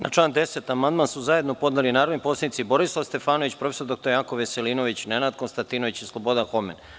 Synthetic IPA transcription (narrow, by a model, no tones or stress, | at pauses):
nʔa̰t͡ʃlˠaːnd̪e̞set̪amand̪mansuzaje̞d̪nopo̞d̪nalinaːɾod̪niposanit̪siboɾislast̪e̞faːnoʋit͡ɕpɾo̞fesoɾd̪okt̪oɾejakoʋeseliːnoʋit͡ɕnenad̪konst̪ant̪iːnoʋit͡ɕislˠobo̞d̪axo̞mḛn